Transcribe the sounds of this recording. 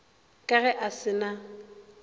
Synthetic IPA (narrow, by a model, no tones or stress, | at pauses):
kʼaɣɛʔasɪna